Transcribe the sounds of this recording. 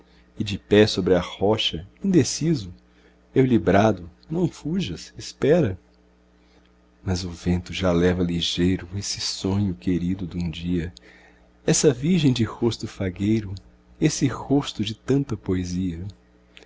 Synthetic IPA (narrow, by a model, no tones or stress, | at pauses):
ɪd͡ʒɪpɛsobɾɪɐhɔʃɐĩnd̪esizʊ | ewlibɾad̪ʊnɐ̃w̃fuʒɐsɪspɛɾɐ | mɐzʊvẽnt̪ʊʒalɛvɐliʒejɾʊesɪsõɲʊkeɾid̪ʊd̪ũd͡ʒiɐ | ɛsɐviɾʒẽj̃d͡ʒɪhost̪ʊfaɡejɾʊ | esɪhost̪ʊd͡ʒɪt̪ɐ̃nt̪ɐpoeziɐ